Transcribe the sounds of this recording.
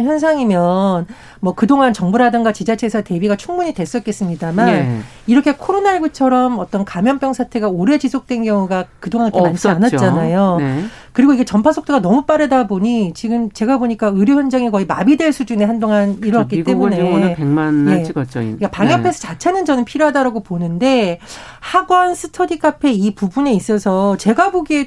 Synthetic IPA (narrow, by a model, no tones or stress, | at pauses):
çjʌns̬ʰaŋimjʌn | mʌkɯdoŋant͡ɕʌŋbuɾadɯŋɡat͡ɕid͡ʑat͡ɕʰe̞sʰʌte̞biɡat͡ɕʰuŋmuɲidwe̞s͈ʌt̚k͈es͈ɯmɲidaman | iɾʌkʰe̞kʰoɾonaeɭɡut͡ɕʰʌɾʌmʌt͈ʌnkamjʌmp͈jʌŋsʰatʰe̞ɡaoɾe̞d͡ʑisʰok̚t͈we̞nɡjʌŋuɡakɯdoŋanikemant͡ɕʰianatt͡ɕ͈anajon | kɯɾiɡoiɡe̞t͡ɕʌmpʰasʰok̚t͈oɡanʌmup͈aɾɯdaboɲit͡ɕiɡɯmt͡ɕe̞ɡaboɲik͈aɯɾjoçjʌnd͡ʑaŋikʌimabidwe̞ɭsʰud͡ʑune̞ɦandoŋaniɾʌɡak͈it͈e̞munepeŋmanjt͡ɕkapaŋjʌpʰe̞sʰʌt͡ɕat͡ɕʰanɯnd͡ʑʌnɯnpʰiɾjoɦadaɾaɡoponɯnde̞ | haɡwʌnsʰɯtʰʌdikʰapʰe̞ipubune̞is͈ʌsʰʌt͡ɕe̞ɡaboɡie